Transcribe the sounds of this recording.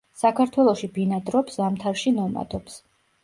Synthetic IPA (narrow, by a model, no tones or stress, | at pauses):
sakʰaɾt̪ʰwɛlˠɔʃibinad̪ɾɔpsamt̪ʰaɾʃinɔma̰d̪ɔps